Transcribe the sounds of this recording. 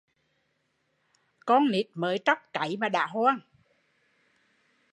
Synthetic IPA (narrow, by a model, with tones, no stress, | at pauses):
kɔ˧nni˨˩t̚məː˨˦jt͡ɕa˦˥wk͡p̚ka˨˦jmaː˨˩ɗa̰ː˧˨ɦwaː˧n